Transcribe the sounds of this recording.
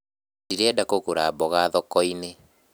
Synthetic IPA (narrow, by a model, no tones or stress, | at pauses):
diɾɛdakokoɾabɔɣaðɔkɔine